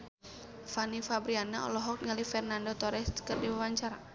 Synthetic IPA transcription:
fanifabɾianaɔ̰lɔɦɔk̚ŋalifɛrnandot̪ɔɾɛst̪kərdiwəwaɲt͡ʃaɾa

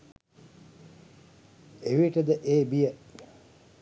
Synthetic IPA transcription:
eʋiʈəd̪əʔeːbijə

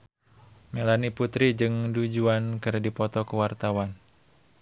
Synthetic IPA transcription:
melaniput̪ɾid͡ʒɨŋdud͡ʒuankɨrdipɔt̪ɔkuwart̪awan

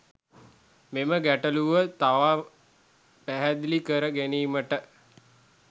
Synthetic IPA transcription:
meməɡæʈəluʋət̪aʋaː | pæɦæd̪likəɾəɡæniːməʈə

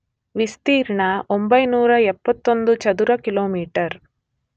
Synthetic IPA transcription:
ʋist̪iːɾɳɐʔombɐjnuːɾɐɛpːɐt̪ːond̪ut͡ʃɐd̪uɾɐkiloːmiːʈɐɾ

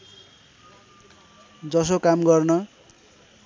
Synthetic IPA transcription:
d͡zʌs̬okamɡʌrnʌ

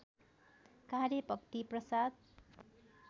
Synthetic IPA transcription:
kaɾjʌpʌk̚t̪iprʌsad̪̚

